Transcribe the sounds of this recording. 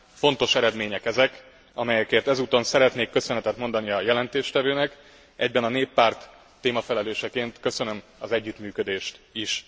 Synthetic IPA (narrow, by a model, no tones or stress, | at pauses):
fo̞nt̪o̞ʃɛɾɛd̪meːɲɛkɛzɛk | ɒmɛjɛkeːrt̪ɛzuːt̪o̞nsɛɾɛt̪neːkːø̞sønɛt̪ɛt̪mo̞nd̪ɒniɒjɛlɛnt̪eːʃt̪ɛvøːnɛk | ʔɛɟ̚bɛnɒneːpːaːrt̪ː | eːmɒfɛlɛløːʃɛkeːnt̪kø̞sø̞nø̞mɒzɛɟːyt̪myːkød̪eːʃt̪iʃ